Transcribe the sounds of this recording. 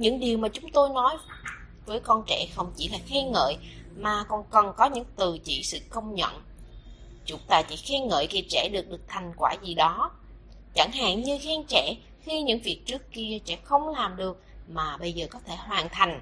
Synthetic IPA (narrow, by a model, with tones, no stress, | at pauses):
ɲɨ̰˧˥ŋɗi˨˩əwmaː˨˩t͡ɕʊ˨˦ŋ͡mt̪o˧jnɔ˨˦j | vəː˨˦jkɔ˧nt͡ɕɛ̰˧˩xə˧wŋ͡mt͡ɕi˧˩laː˨˩xɛ˧ŋə̰ː˧˨jmaː˨˩kɔ˧˩nkə˨˩nkɔ˨˦ɲɨ̰˧˥ŋt̪ɨ˨˩t͡ɕḭ˧˨sɨ̰˧˨kə˧wŋ͡mɲə̰˧˨n | t͡ɕʊ˨˦ŋ͡mt̪aː˧˩t͡ɕḭ˧˩xɛ˧ŋə̰ː˧˨jki˧˩t͡ɕɛ̰˧˩ɗɨ˨˩ək̚ɗɨ˨˩ək̚t̪ʰa˨˩jŋ̟kwaː˧˩zi˨˩ɗɔ˨˦ | t͡ɕa˧˩ŋɦa̰ː˧˨ŋɲɨ˧xɛː˨˦nt͡ɕɛ̰˧˩˨ | xi˧ɲɨ̰˧˥ŋvi˨˩ək̚t͡ɕɨ˦˥kːi˧ət͡ɕɛ̰˧˥xə˧wŋ͡mlaː˨˩mɗɨ˨˩ək̚maː˨˩ɓə˧jzəː˨˩kɔ˨˦t̪ʰe˧˩hwaː˨˩nt̪ʰa˨˩jŋ̟